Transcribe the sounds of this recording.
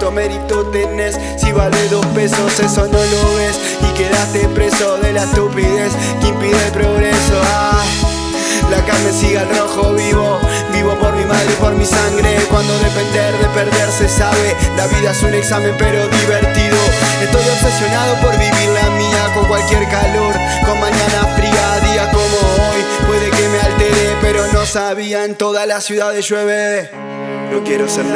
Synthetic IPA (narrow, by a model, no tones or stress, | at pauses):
t̪omeɾit̪ot̪enes | siβaleðospe̞so̞sesonoloβe̞s | ike̞ðast̪epɾe̞soðe̞last̪upiðe̞s | kimpiðeelpɾo̞ɣɾesoa | lakamesiɣalro̞xoβiβo̞ | biβo̞po̞ɾmimaðɾepo̞ɾmisaŋɡɾekwand̪oðe̞pend̪eɾðe̞pe̞ɾðe̞ɾsesaβe̞laβiðaesuneksamempeɾo̞ðiβeɾt̪iðoest̪ojofesjo̞nað̞o̞po̞ɾβiβiɾlamiako̞ŋkwalkjeɾkalo̞ɾ | ko̞nmãɲãnafɾiaðiɣakomo̞ojpwe̞ðe̞kemealt̪eɾepeɾo̞no̞saβiaent̪o̞ðalasjuðaðesʒweβe | nokjeɾoseɾ